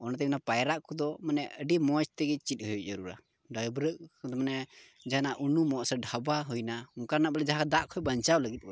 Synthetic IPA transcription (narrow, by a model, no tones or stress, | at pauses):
ɔnat̪ɛminapajɾaʔkɔd̪ɔmanɛʔəɖimɔt͡ʃt̪ɛɡit͡ʃit̪̚ˀhujˀd͡ʒəɾuɾa̰ | ɖajbɾəʔkɔd̪ɔmanɛ | d͡ʒaanaʔunumɔʔsɛɖʱabaɦujnauŋkanabɛlɛd͡ʒaɦãd̪aʔkʰɔjbaɲt͡ʃawləɡit̪̚ˀbɔ